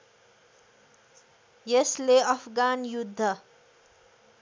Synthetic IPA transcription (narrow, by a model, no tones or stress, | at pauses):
jesleʌpʰɡanjud̪ʱːʌ